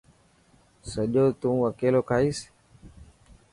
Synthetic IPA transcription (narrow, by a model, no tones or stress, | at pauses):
səʄoːt̪ũːəkeːloːkʰaːiːs